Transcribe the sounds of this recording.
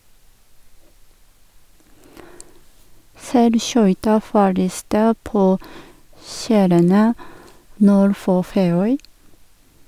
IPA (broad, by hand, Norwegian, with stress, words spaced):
ˈsæɪlˌʃœʏtɑ fɔˈɭiːstə ˈpoː ˈʃæːɾənə ˈnuːɾ ˈfoː ˈfeːˌœʏ